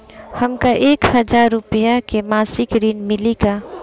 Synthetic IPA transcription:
hɐmkaʔeːkhɐd͡ʒaːɾːʊpijakemaːsɪkɾiːnmɪlika

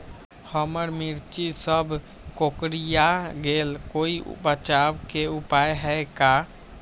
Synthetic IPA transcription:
həməɾmiɾt͡ʃisəbʱ | kokɾijaɡelkoiṵpət͡ʃabkeupajɦɛjka

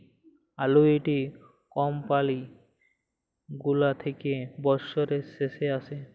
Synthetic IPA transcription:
aloeʈi | kɔmpali | ɡulat̪ʰekebɔɾsoɾeseseasʰe

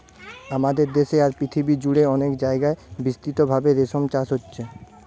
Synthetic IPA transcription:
amad̪eɾd̪eʃeaɾpɾit̪ʰibid͡ʑuɽeɔnekd͡ʑaeɡaebist̪it̪obʱabeɾeʃomt͡ɕaʃɦotːɕʰe

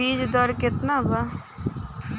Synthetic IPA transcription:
iːd͡ʒd̪əɾkɪt̪naba

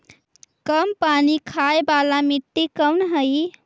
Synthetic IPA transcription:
kəmpanikʰaebalamit̪ːikəwnɦəj

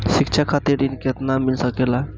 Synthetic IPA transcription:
sikt͡ʃʰakʰat̪iɾinket̪namilsəkela

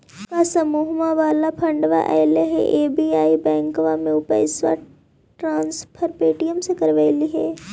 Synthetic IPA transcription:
kasɐmuːɦmaʋaːlapʰɐ̃ɳɖʋa̰ʔɛːleɦḛʔeːbiːaːibɛ̃ːŋkʋamẽʊpə̰ɪsʋa̰ | ʈɾãːnspʰəɾpeːʈijəmsekɐɾʋaɪliɦɛː

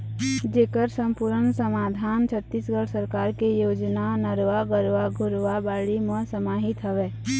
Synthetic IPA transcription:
d͡ʒeːkəɾsə̃mpuɾənsəmaːd̪ʱaːnt͡ʃʰət̪ːisɡəɽsəɾkaːɾkejoːd͡ʒnanəɾʋaɡəɾʋaɡʱʊɾʋabaːɽimə̃səmaːɦɪt̪ɦəʋɛː

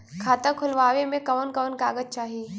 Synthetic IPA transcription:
kʰaːt̪əkʰʊlʋaːʋemẽkɐʋənkɐʋənkaːɡəd͡ʒ̚t͡ʃaːɦiː

